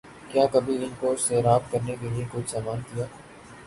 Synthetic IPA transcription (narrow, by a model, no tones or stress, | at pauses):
kjaːkɐbʱiɪnkoːsseɾaːbkɐɾnekeliekʊt͡ʃʰsaːmaːnkijaː